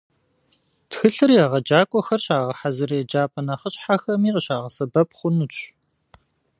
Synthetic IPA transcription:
txɨɬɨrjaːʁɐd͡ʒaːkʷʼɔxɐrɕaːʁɐħazɨrjɛd͡ʒaːpʼɐnɐχəɕʼħaxɐmiːqəɕaːʁɐsɐbɐp̚χʷʊnu

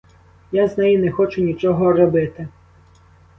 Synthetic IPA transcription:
jaznɛjinɛxɔt͡ʃʊnʲit͡ʃɔɦɔɾɔbɪt̪ɪ

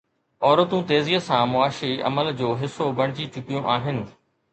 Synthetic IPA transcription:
ɔːɾət̪ũt̪eːziːəsãmʊaːʃiɐ̰məld͡ʑoːɦɪsːobɐɽ̃ɪd͡ʑit͡ɕʊkijõʔaːɦɪnɪ̆

